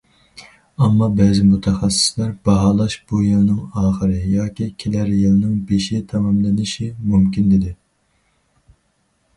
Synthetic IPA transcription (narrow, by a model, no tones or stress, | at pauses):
ɑmːɑbɛːzɪmut̪ʰɛχæsːɪ̥slæɾbɑɦɑlˠɑʃb̥ujilnɪŋɑːχəɾɨjɑːkʲikʲʰelæɾjilˠnɪŋbeʃit̪ʰɑmɑmlɪnɪʃɪmumkʲind̪ɪd̪ɪ